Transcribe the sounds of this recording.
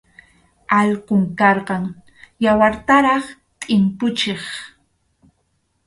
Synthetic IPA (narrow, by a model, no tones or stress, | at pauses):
alqʊŋkɑɾqɑŋ | jawaɾt̪aɾɑχ | t̪ʼɪmpʊt͡ʃeχ